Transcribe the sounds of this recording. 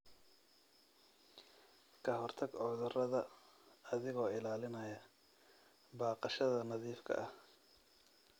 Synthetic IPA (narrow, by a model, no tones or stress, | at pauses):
kʰɐɦɔrt̪ʰɐɡʕɔːðʊrɐðɐː | ðɪɣɔːɪlaːlɪnɐjɐ | baːqɑʃɐðɐnɐðiːfkʰɐ̰ʔɐh